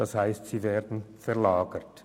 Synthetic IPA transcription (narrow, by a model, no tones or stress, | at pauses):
d̥ashaɪstz̥iːveːɐdn̩fɛɐlaːɡət